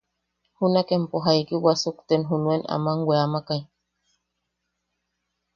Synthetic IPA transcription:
hunakempoɦaikiwasukt̪enɦunuena̰maŋweamakaj

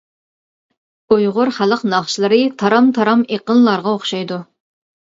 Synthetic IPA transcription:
ojʁʊɾχæləqnɑχʃɨlˠɨɾɨt̪ʰɑɾɑmt̪ʰɑɾɑmeqənlˠɑɾʁɑoχʃɑjd̪u

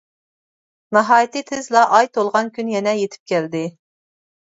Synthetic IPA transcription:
nɑɦɑːjit̪ʰɨt̪ʰɪzlˠɑʔɑjt̪ʰolˠʁɑnkʲynjɛnɛjet̪ʰɪ̥p̚kʲʰɛld̪ɪ

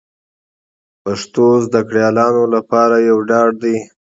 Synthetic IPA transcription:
paʂt̪ozd̪akɽjɑlɑnolapɑɾajawɖɑɖd̪i

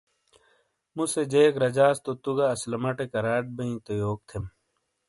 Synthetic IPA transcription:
mused͡ʑeːkɾɐd͡ʑaːst̪ot̪uɡaːslɐmɐʈekɐɾaːʈ̪̚bɐĩt̪ojoːk̚t̪ʰem

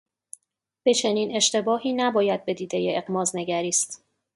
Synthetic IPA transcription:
b̥e̞t͡ʃʰe̞niːne̞ʃt̪e̞bɒːhiːnæbɒːjæd̪̚be̞d̪iːd̪e̞jeeɣmɒːzne̞ɡæɾiːst̪

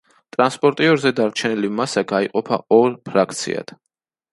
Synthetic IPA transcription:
t̪ʼɾanspʼɔɾt̪ʼiɔɾzɛd̪aɾt͡ʃʰɛnilimasaɡaiqʼɔpʰa̰ɔɾpʰɾak̚ʰt̪sʰḭa̰d̪̥

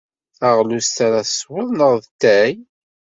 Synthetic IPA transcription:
θæʁlust̪aɾaswəðˤnəʁðt̪ːæj

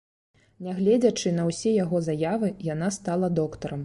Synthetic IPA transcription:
nʲɛɣlʲɛd͡zʲɐt͡ʂɨnɐwsʲɛjaɣɔzajavɨjan̪ast̪alˠɐd̪ɔkt̪ɐɾɐm

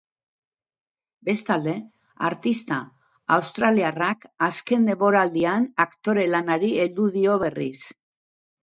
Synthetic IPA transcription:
be̞st̪ald̪e̞ | a̰ɾt̪ist̪a | awst̪ɾaliarakaske̞nd̪e̞mbo̞ɾald̪ianakt̪o̞ɾe̞lanaɾie̞ld̪uð̞io̞β̞e̞ris

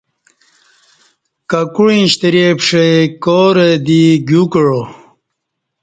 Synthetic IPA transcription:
kakuɻĩɕt̪iɾepʂekoɾed̪iɡukɻo

